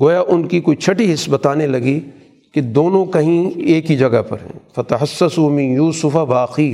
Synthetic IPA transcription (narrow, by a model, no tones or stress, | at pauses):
ɡoːjaʔʊnkikoːit͡ʃʰɐʈiɦɪsːbɐt̪aːnelɐɡi | ked̪oːnõkɐɦĩeːkid͡ʒɐɡapɐ̰ɾɦɛ̰̃ːfɐt̪ɐħɐsːɐsuːmɪ̃njuːsʊfaʋaːqiː